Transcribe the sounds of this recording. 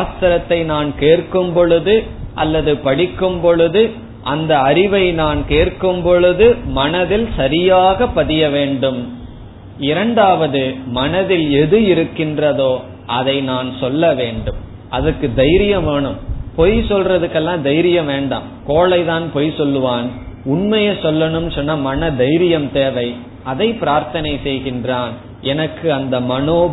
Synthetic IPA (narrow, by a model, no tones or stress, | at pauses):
aːst̪ɐɾɐt̪ːɐɪnaːnkeːrkɯmpɔɭɯðɯʔɐ̰lːɐðɯpɐɽɪkːɯmpɔɭɯðɯ | ʔɐnd̪ɐːɾɪʋɐɪnaːnkeːrkɯmpɔɻɯðɯmɐnɐðɪlsɐɾɪjaːɣɐpːɐðɪjɐʋeːɳɖɯm | ɪɾɐɳɖaːʋɐðɯmɐnɐðɪlɛðɯɪɾɯkːɪndrɐðoː | ɐðɐɪnaːnsɔlːɐʋeːɳɖɯm | ʔɐðɐkːɯd̪ɐjɾɪjɐʋeːɳɯmpɔjsɔlrɐðɯkːɛlːãːd̪ɐjɾɪjɐʋeːɳɖa̰ːmkoːlɐɪðaːnpɔjsɔlːɯʋaːnʊɳmɐjɐsɔlːɐɳɯmsɔnːɐmɐnɐd̪ɐjɾɪjɐmt̪eːʋɐɪ | ɐðɐɪpːɪɾaːɾt̪ɐnɐɪsɛjɣɪndraːn | ɛnɐkːɯɐnd̪ɐmɐnoː